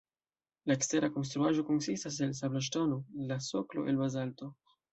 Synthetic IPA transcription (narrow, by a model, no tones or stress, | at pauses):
laeksteɾako̞ns̬t̪ɾuaʒo̞konsistas̬els̬ablaʃ̬tonolasoklo̞̰ʔelbazalto̞